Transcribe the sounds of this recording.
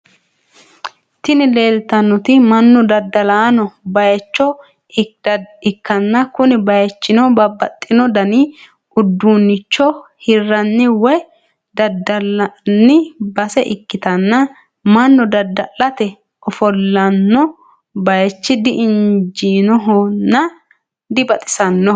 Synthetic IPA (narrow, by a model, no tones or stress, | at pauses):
t̪ɪnɪle̞ːlt̪ɐnːɔt̪ɪmɐnːɔd̪ɐd̪ɐlaːnɔbɐjɛt͡ʃːɔ | ɪkːɐnːɐkʊnɪbɐjɛt͡ʃːɪnɔbɐbːɐt̪ʼːɪnɔd̪ɐni | ʊd̪ːuːnːɪt͡ʃːɔhɪrːɐnːɪwɔj | d̪ɐd̪ɐlnːɪbɐsɛʔɪkːɪt̪ɐnːɐ | mɐnːɔd̪ɐd̪ːɐlɐt̪ɛ | ɔfɔlːɐnːɔ | bɐjɛt͡ʃːɪd̪ɪʔɪnd͡ʒiːnɔɦɔnːɐ | d̪ɪbɐt̪ʼɪ̥sɐnːɔ